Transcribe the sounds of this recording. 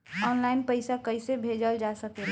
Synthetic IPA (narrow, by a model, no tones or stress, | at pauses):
ɔːnlaɪnpəɪsakəɪsebʱeːd͡ʒəld͡ʒasəke